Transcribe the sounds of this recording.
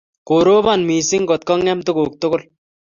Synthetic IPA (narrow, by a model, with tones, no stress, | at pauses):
koɾoː˦βa˨nmi˨sɪŋkɔt̪̚kɔ˦ŋːɛmt̪ʊ˦ko˨k̚t̪ʊkʊ˦l